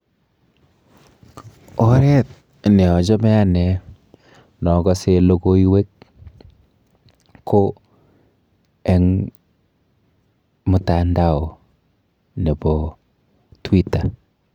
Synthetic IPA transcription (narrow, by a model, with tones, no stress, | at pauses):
ɔ˦ɾɛ˦t̚ | nɛ˨ɔ˨d͡ʒɔ˦mɛ˦a˦nɛ˨ | nɔ˨ɡɔ˦se˦lo˦ɡo˦i˦we˦k | kʰːo˦ | ɛ˦ŋ | mʊ˨ta˨nda˦˨o˨ | ne˨bɔ˨ | twi˦ta˨